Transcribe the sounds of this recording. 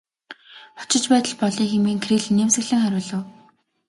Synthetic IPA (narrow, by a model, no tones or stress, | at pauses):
χʊ̥t͡ɕɪ̆t͡ɕpæːt̪ə̆ɮpɔɮiːŋxemeːŋkʰriːɮnemsɘ̆ɣɮɘ̆ŋxæɾʲʊːɮə̆w